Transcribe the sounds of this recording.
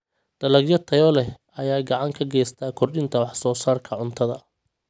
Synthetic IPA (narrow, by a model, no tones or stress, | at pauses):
d̪̥ɐlɐɡjɐt̪ʰɐjɔlɛ | ɐjaːɡɑʕɑŋkʰɐɡɛːjst̪ʰaːkʰɔrɗɪnt̪ʰɐwɑħsɔːsaːrkʰɐʕʊnt̪ʰɐðɐ